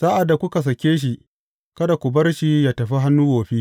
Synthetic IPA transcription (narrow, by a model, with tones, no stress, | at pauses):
sa˦ʔa˨dːa˨kʷʊ˦ka˨s̬ɐ˨kʲeː˦ʃ̬i˨ | kɐ˦da˨kʷʊ˨bɐ˦rʃiː˦jaː˦tɐ˨ɸi˦ɦa˦nːuː˦ɡoː˨ɸiː˦